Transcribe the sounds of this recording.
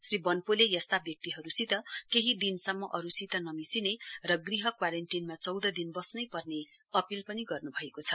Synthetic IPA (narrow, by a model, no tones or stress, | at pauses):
sribʌnpolejʌst̪abjʌk̚t̪iɦʌɾusit̪ʌkeɦid̪insʌmːʌʔʌɾusit̪ʌnʌmisinerʌɡriɦʌkwaɾenʈinmat͡sʌwd̪ʌd̪inbʌsnʌjpʌrne | ʌpilpʌniɡʌrnubʱʌekot͡sʰʌ